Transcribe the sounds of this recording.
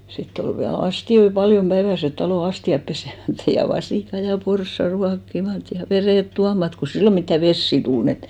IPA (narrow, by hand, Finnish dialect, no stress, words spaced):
sitː ol ʋiæl ɑstioi pɑljom pæiʋæset tɑloˑ ɑstiɑp pesemætːæ̥ jɑ ʋɑsiˑkɑ jɑ porsːɑ ruɑkːimɑt jɑ ʋereˑt tuɑmɑt ko silːo mitːæ ʋesːi tul n et